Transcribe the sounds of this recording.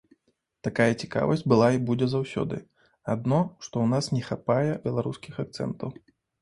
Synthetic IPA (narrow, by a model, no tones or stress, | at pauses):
t̪akajɛt͡sʲi̥ka̰vɐ̰sʲt͡sʲbɨlˠaibud͡zʲɛzawsʲɔ̰d̪ɨ̰ | ad̪nɔʂt̪ɔwnasnʲɛxapajɛbʲɛlˠaɾuskʲixak̚t̪sɛ̰nt̪ɐw